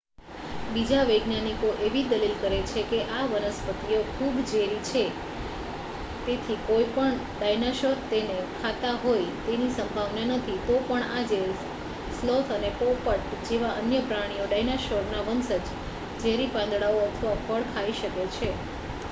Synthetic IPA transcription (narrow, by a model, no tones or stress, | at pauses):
bid͡ʒaʋəɡnanikoʔeʋid̪əlilkəɾet͡ʃʰekeʔaʋənəspət̪ijokʰubd͡ʒeɾit͡ʃʰe | t̪et̪ʰikojpəɳ | ɖajnaʃoɾt̪enekʰat̪aɦojt̪enisəmbʱaʋnanət̪ʰit̪opəɳad͡ʒeɾi | slot̪ʰənepopəʈd͡ʒeʋaʔənjəpɾaɽ̃ijoɖajnaʃoɾnaʋənsəd͡ʒ | d͡ʒeɾipãnd̪ɽaoət̪ʰəʋafʰəɭkʰaiʃəket͡ʃʰe